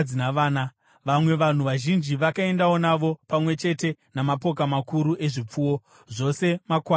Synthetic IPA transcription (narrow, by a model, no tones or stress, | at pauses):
inaʋaːna | ʋamwe̞ʋan̤uʋaʒind͡ʒiʋakae̞ndao̞naʋo̞pamwe̞t͡ʃe̞te̞namapo̞k̬amakuɾuʔe̞ʐip͡fuwo̞ | ʐo̞se̞makwa